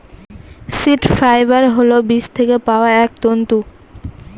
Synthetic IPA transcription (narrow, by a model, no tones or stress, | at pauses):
siʈfɾajbaɾɦolobiʃt̪ʰekepaoaɛk̚t̪ont̪u